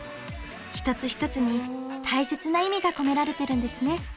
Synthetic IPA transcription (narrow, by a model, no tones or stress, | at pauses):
çi̥t̪ot͡sɨçi̥t̪o̞t͡sɨɲ̟it̪ʰaise̞t͡sɨnaimʲiɡako̞me̞ɾaɾe̞t̪e̞ɾɯ̟̃nd̪e̞sɨne̞